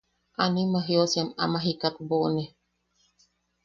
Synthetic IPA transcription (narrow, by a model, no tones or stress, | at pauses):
ʔanimaɦiosiama̰maɦikat̪̚boʔne